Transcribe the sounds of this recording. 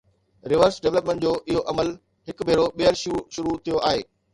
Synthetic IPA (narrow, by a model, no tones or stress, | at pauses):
ɾɪʋəɾsɖeʋləpmẽɳʈ̚d͡ʑoːʔɪɦoʔɐməl | ɦɪk̆bʱeːɾoɓijəɾʃuːʃʊɾut̪ʰijoʔaːɦḛː